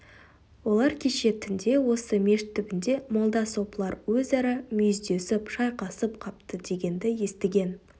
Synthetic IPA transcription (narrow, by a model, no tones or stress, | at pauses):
wo̞lˠɑɾkʲʰeʃe̞t̪ʰɪnd̪e̞wo̞səme̞ʃt̪ʰːʏbɪnd̪e̞molˠd̪ɑso̞plˠɑɾwɵzæɾɪmʏjʏzd̪e̞sɪpʃɑjqɑsəp̚qʰɑp̚t̪əd̪e̞ɡʲe̞nd̪ɪje̞st̪ɪɡʲe̞n